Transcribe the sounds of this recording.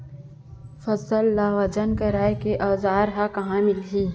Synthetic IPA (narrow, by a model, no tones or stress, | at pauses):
fɐzəlːaːwɐd͡ʒənkɐɾaːjkeʔaːzaːɾɦakɐɦãmɪlɦiː